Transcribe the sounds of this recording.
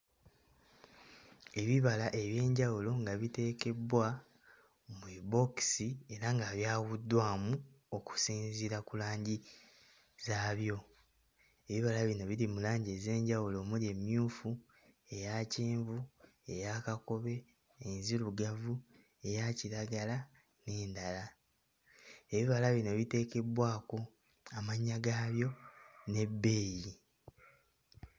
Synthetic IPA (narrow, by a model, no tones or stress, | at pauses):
e̞βiβalaʔe̞βje̞ːɲɟawulo̞ŋɡaβite̞ːke̞bwa | mwebo̞ksie̞ɾaŋɡaβjaːɣudːwaːmu | o̞ku̥siːnziɾakulaːɲɟi | zaːβjo̞ | e̞βiβalaβino̞βiɾimulaːɲɟe̞ze̞ːɲɟawulo̞mulie̞mjuːfu | e̞jaːceːɱvu | ejakako̞βe̞ː | nziɾuɡavu | e̞jaciɾaɡala | ne̞ːndala | e̞βiβalaβino̞βite̞ːke̞bwaːko̞ | amaɲːaɡaːβjo̞ne̞bːe̞ji